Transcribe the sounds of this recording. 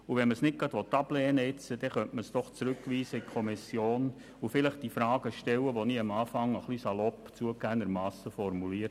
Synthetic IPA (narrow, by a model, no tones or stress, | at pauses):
uʋɛnməsnɪt̚ɡ̥ɑd̥̪ʋɔt̪ːɑblɛːnəɛt͡səd̥ɛχœntməsd̥̪ɔχt͡sɾʉkʋiːsəikʰɔmisjoːn | ufɪləχd̥ifɾɑːɡ̥əʃtɛwəʋoniːəmɑːfɑŋəχlisɑlɔpːt͡suəkæːnəɾmɑːsəfɔɾmuliːət